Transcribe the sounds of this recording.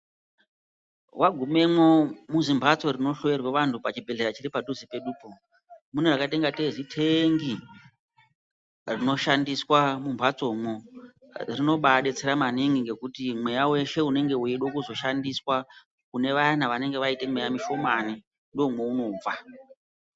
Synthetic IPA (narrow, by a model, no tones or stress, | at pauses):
wʔaɡʱume̞mwomuzimbʱat͡so̞rino̞ɬo̞ʋerweʋantʰupat͡ʃibʱe̞ɮe̞ɾat͡ʃiɾipadʱuzipe̞ɗuːpo | munerakate̞ŋɡateʐitʰeŋɡi | rino̞ʃandiswamumbʱat͡so̞mwo | rino̞ɓaɗet͡seɾamaniŋɡiŋɡe̞kutimwe̞jawe̞ʃe̞une̞ŋɡe̞ueɗwokuzo̞ʃandiswa | kune̞ʋanaʋane̞ŋɡe̞ʋaite̞mwe̞jamiʃo̞mani | ndoomweuno̞b͡va